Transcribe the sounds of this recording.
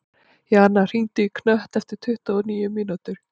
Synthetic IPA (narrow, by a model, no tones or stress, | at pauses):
jɛanːar̥int̪ɪikʰnœht̪ɛft̪ɪɾ̥t̪ʰʏht̪aɔniːjʏminut̪ʏɾ̥